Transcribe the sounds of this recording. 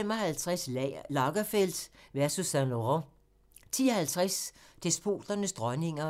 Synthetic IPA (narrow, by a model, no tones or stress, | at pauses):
emɒ̽ɦælt͡sʰʁaslɑ̈ɡ̥ɐfel̰d̥ʋæɐsusːænloʁo | t͡sʰiːɒhælt͡sʰʁasd̥esb̥ʰo̝̰ːd̥ɐnəsd̥ʁɒne̝ŋɐ